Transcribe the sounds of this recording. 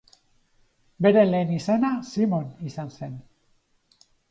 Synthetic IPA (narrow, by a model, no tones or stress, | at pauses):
be̞ɾe̞le̞ːnisanasimo̞nisanse̞n